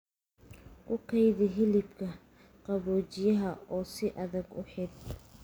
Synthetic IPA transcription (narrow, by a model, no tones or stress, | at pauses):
kʰʊqʰɐjðɪɦɪlɪbkʰɐ | qɑβɔːt͡ʃɪjɐɦɐɔːsɪʔɐðɐɡʊ̰ħɪd̪̚